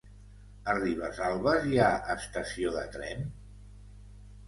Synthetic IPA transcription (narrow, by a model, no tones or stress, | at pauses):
əriβ̞əzalˠβəziaəst̪əsioðə̰t̪ɾɛ̰n